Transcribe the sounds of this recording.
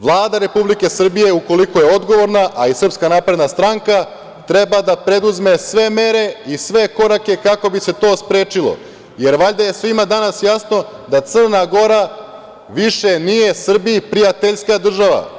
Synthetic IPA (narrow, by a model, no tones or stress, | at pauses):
ʋlˠaːd̪aɾe̞publike̞sr̩bije̞uko̞liko̞jeo̞d̪ɡo̞ʋo̞ɾnaʔaisr̩pskanapɾe̞d̪nast̪ɾaŋka | t̪ɾe̞bad̪apɾe̞d̪uzme̞sʋe̞me̞ɾe̞isʋe̞ko̞ɾake̞kako̞bise̞t̪o̞ːspɾe̞ːt͡ʃilˠo̞̰ | je̞ɾʋaʎd̪aje̞sʋimad̪anasjasno̞d̪at̪sɨr̩naɡo̞ɾa | ʋiʃe̞nije̞sr̩biipɾijat̪eʎskad̪r̩ʒaʋa̰